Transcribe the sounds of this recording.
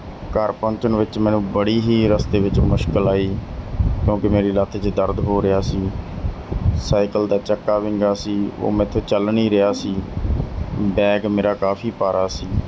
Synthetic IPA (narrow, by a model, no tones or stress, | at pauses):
kəɾpə̃nt͡ʃənʋɪt͡ʃmɛ̃ːnũːbəɽiːɦiːɾəst̪eːʋɪt͡ʃmʊʃkəlaːiːkjõːkɪmeːɾiːlat̪ʰt͡ʃd̪əɾd̪ɦoːɾɪjaːsiː | saːɪkəld̪aːt͡ʃəkːaːʋɪ̃ŋɡaːsiːo̰ːmɛ̃ːɪt̪ʰːeːt͡ʃəlniːɾɪaːsiː | bɛːɡmeːɾaːkaːpʰiːpaːɾaːsiː